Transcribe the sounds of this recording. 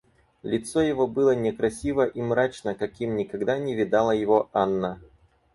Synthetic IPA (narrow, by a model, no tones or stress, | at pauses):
lʲɪt̪sojɪvo̞bɨlˠənʲɪkɾɐsʲivəʔimɾat͡ɕnəkɐkʲimnʲɪkɐɡd̪anʲɪvʲɪd̪alˠəjɪvo̞anːə